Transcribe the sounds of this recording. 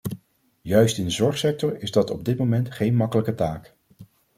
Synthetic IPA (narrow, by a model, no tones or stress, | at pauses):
jœɥstɪndəzɔɹχsɛk̚tɔɹɪzdɑtɔb̚dɪtmowmɛntχejnmɑkələkətaːk